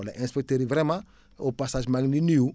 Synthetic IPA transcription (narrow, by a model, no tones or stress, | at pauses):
la̰ʔẽnspet̪eɾivɾema | opasaʒmaɡniniu